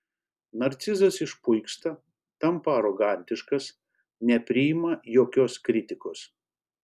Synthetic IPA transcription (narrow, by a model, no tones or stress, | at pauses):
nɐɾʲt̪sʲɪzɐsɪʃpʊɪkst̪ɐ | t̪ɐmpɐɐɾɔɡɐˑnʲt̪ʲɪʃkɐs | nʲɛpʲɾʲɪɪmɐjoːkʲoːskɾʲɪt̪ʲɪkoːs